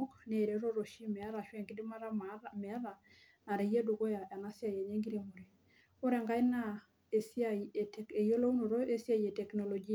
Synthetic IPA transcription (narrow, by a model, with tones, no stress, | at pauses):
o˦kne˦˨ɾe˦ɾo˦ɾo˨ʃi˦mɛ˨˦ɾa˨ʃwɛ˦˨ŋɡɪ˦dɪ˦ma˦ɾa˦mamɛ˨˦ða˨ | na˨ɾe˨je˦du˨ɡo˦ja˨ʔa˨na˦sja˨je˨ɲe˦ŋɡi˦ɾe˦˨mo˨ɾe˨ | o˦ɾɛ˨ŋɡa˦ɪ˦na˦ | e˨sa˦ie˨tɛ˨ke˨jo˦lo˦u˦no˨ɾo˦e˦sja˦je˨tɛ˨kno˨lɔ˨d͡ʒi˦˨